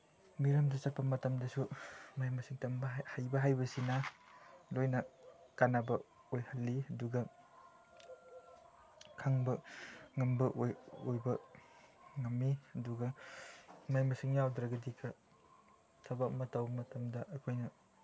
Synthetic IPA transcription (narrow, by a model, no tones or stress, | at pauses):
miɾɐmdɐsɐpʰːɐmɐtɐmdɐsumajmɐsiŋtɐmbɐhajbɐɦajbɐsina | lojnɐkanabɐ | ojhɐlːiɐduɡɐ | kʰaŋbɐŋɐmbɐʔojojbɐ | ŋɐmːiɐduɡɐ | majmɐsiŋjawdɾɐɡɐdikʰɐ | sʰɐbak̚mɐtɐwbɐmɐtɐmdɐʔɐkʰojnɐ